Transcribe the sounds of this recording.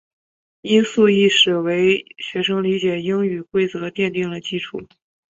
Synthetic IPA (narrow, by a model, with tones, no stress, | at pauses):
i˥nsu˥˧i˥˩ʂɻ̩˨˩we˧˥ɪɕɥɛ˧˥ʂɤ˥ŋli˧˥t͡ɕjɛ˨˩i˥ŋy˨˩kwe˥˩ɪt͡sɤ˧˥t̪jɛ˥˧nt̪i˥˩ŋlə˩t͡ɕi˥ʈ͡ʂʰu˨˩˦